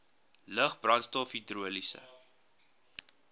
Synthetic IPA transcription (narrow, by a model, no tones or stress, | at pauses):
ləχbrɐnstɔfidruəlisə̰